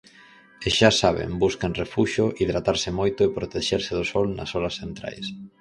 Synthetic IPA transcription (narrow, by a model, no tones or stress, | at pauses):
eʃasaβ̞ḛmbuskanrefuʃʊʔiðɾat̪aɾsɪmojt̪ʊepɾot̪eʃeɾsɪðʊsɔlnɐ̰solɐsθent̪ɾa̰js